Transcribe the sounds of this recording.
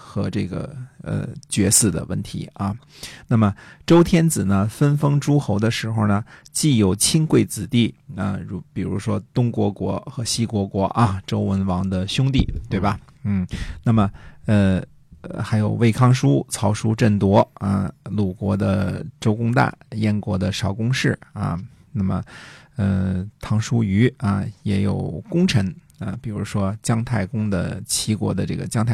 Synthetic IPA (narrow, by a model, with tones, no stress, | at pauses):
xɤ˧˥ʈ͡ʂɤ˥˩ɡə̰˩ə̰˧˩t͡ɕɥɛ˧˥sɹ̩˥˩d̪ə̰˩wə˥˩nt̪ʰḭ˧˥ɐ˧˩ | na˥˩mə˩ʈ͡ʂo˥ʊt̪ʰjɛ˥nt͡sɹ̩˨˩nə˦fə˥nfɤ˥ŋʈ͡ʂu˥xo˧˥ʊd̪ə˧ʂɻ̩˧˥xo˧ʊnə˩t͡ɕi˥˧jo˨˩ʊt͡ɕʰi˥ŋkwe˥˩ɪt͡sɹ̩˨˩t̪i˥˩ə̰˧ɻu˧˥pi˨˩ɻṵ˧˥ʂwɔ˥t̪ʊ˥ŋkwɔ˧˥kwɔ̰˧˥xɤ˧˥ɕi˥kwɔ˧˥kwɔ˧˥ʔɐ˧ʈ͡ʂo˥ʊwə˧˥nwɑ˧˥ŋd̪ə˧ɕjʊ˥ŋt̪i˥˩t̪we˥˩ɪbɐ˩ | n̩˥˩na˥˩mə˩ə˧ | xa˧˥ɪjo˨˩ʊwe˥˩ɪkʰɑ˥ŋʂu˥t͡sʰɑ˧˥ʊʂu˥ʈ͡ʂə˥˩nt̪wɔ˧˥ə̰˧lu˨˩kwɔ˧˥d̪ə̰˧ʈ͡ʂo˥ʊkʊ˥ŋt̪a̰˥˩jɛ˥˩nkwɔ˧˥d̪ə˧ʂɑ˧˥ʊkʊ˥ŋʂɻ̩˥˩ɐ̰˩ | na˥˩mə̰˩ə˧t̪ʰɑ˧˥ŋʂu˥y˧˥ɐ˧jɛ˧˥jo˨˩ʊkʊ˥ŋʈ͡ʂʰɤ˧˥ŋ | ə̰˧˩pi˨˩ɻu˧˥ʂwɔ˥t͡ɕjɑ˥ŋt̪ʰa˥˩ɪkʊ˥ŋd̪ə̰˨t͡ɕʰi˧˥kwɔ̰˧˥d̪ə˧ʈ͡ʂɤ̰˥˩ɡə̰˩t͡ɕjɑ˥ŋt̪ʰa˥˩